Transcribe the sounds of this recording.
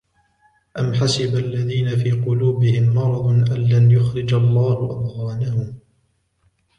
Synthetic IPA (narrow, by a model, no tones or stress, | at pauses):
ʔamħasɪbalːaðiːnafiːqʊluːbɪhɪmːɑɾˤɑd̪ˤʔanlanjʊxɾɪd͡ʒalˤːaːhʊʔa̰d̪ɣɑːnahʊm